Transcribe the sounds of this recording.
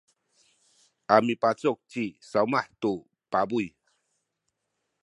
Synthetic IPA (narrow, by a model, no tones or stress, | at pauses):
ʔamipat͡sɔk̚t͡ʃisaumaħt̪u | pabuj